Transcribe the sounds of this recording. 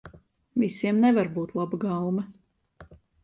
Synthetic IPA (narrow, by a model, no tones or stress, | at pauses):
visiɛmnɛvaɾbuːt̪lˠabɡawmɐ